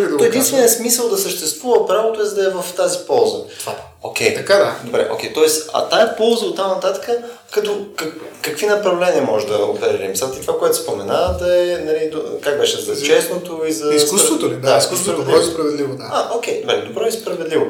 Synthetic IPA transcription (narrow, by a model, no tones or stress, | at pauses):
d̪ɔɛd̪int̪vɛnijəsmisəlˠd̪ɐsəʃt̪ɛst̪vuvəpɾavot̪oɛzɐd̪ɐɛvɐft̪azipɔlˠzə̰t̪va̰ | o̰kʲɛjt̪ɐkad̪ad̪obɾɛ̰ʔo̰kʲɛjt̪ɔɛsɐ̰t̪aɛpɔlˠzəot̪ːamnɐt̪at̪ə̥kə | kɐt̪ɔkɐkɐkvinɐpɾɐvlɛniəmɔʒɛd̪ɐopɛɾɛlḭmsat̪ɛt̪ovakoɛt̪ʊspomɛnad̪ɐɛnɐlid̪kak̚bɛʃɛzɐt͡ʃɛsnot̪oizɐiskust̪vot̪od̪aiskust̪vɛdɔspɾɐvɛd̪livod̪aaʔokʲɛjd̪obɾɛ̰d̪obɾɔɛspɾɐvɛd̪livo